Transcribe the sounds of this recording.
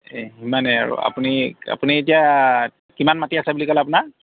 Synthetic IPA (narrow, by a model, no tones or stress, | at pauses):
eimanɛa̰ɹṵa̰punia̰punietia | kimanmatiasɛbulikɔlɛap̬una